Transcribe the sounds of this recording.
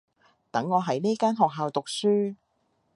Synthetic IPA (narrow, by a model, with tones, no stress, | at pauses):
t̪ɐ˨˥ŋːɔː˨˧ɦɐ˨˥jne˥kaː˥nɦɔː˨k̚ɦaː˨wt̪ʊ˨k̚syː˥